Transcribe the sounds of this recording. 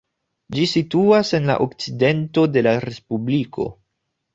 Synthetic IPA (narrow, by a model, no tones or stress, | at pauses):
d͡ʒisituase̞nla̰ʔok̚t͡side̞nto̞de̞laɾe̞spublikʰo̞̰